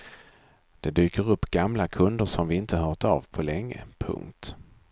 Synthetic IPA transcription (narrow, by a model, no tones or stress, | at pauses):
d̪̥ɛd̪yːkəɾɵpːɡ̥amlakʰɵnd̪əʂɔmvɪɪnt̪ʰəɦœːʈa̰vpʰɔlɛŋːə̰pʰɵ̰ŋkt̪